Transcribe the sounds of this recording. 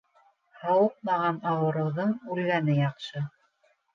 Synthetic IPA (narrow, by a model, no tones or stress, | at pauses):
hɑwɤq̚mɑʁɑnɑwɤ̆ɾɤ̆wðɤɴʉlɡænɘjɑqʃɤ